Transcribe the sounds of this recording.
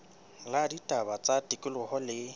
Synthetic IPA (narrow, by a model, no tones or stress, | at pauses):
laditʼabat͡sʼatʼikʼɪlʊhɔlɪ